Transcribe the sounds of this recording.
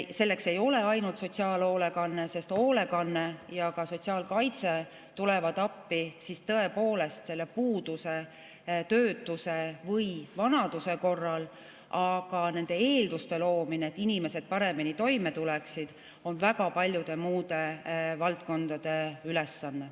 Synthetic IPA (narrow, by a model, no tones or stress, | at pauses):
se̞lːe̞kse̞jo̞le̞ɑjnult̪so̞tʲsiɑːlo̞ːle̞kɑnːe̞se̞st̪o̞ːle̞kɑnːe̞jɑkɑso̞t̪ʲsiɑːlkɑjt̪se̞ | t̪ule̞vɑd̪ɑpːisist̪ɤe̞po̞ːle̞st̪se̞lːe̞puːd̪̥use̞ | t̪øːt̪ːˑuse̞vɤjvɑnɑd̪̥use̞ko̞rːɑl | ʔɑɡ̥ɑne̞nd̪̥e̞e̞ːld̪ust̪e̞lo̞ːmineːt̪ːˑinime̞se̞d̪̥̚pɑɾe̞minit̪o̞jme̞t̪uleksid̪̥ | o̞nvæɡɑpɑlʲjud̪̥e̞muːd̪̥e̞vɑlt̪̚ko̞nd̪̥ɑd̪̥e̞yle̞sːɑnːe̞